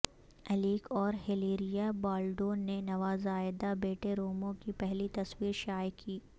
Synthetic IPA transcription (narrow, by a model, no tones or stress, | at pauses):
ɐliːkɔːɾɦɪliːɾijabaːlɖõːnenɐʋaːzaːɪd̪abeːʈeɾoːmõkipɛɦlit̪ɐswiːɾʃaːjkʰiː